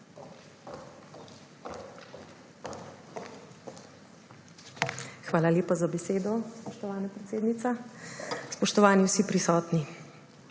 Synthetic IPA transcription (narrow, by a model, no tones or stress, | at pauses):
xʋaːlaljeːpazabɛseːd̪ɔspɔʃt̪ɔʋaːnapɾɛt̪seːd̪nit̪sa | spɔʃt̪ɔʋaːniwsipɾisɔːt̪ni